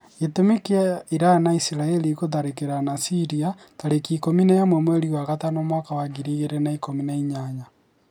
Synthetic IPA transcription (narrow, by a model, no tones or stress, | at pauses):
etumekaiɾanaisiɾaelikoðaɾekeɾanasiɾia | taɾekikominajamwɛmweɾiɣwaɣatanomwakawaɡiɾiɣeɾenaikominaiɲaɲa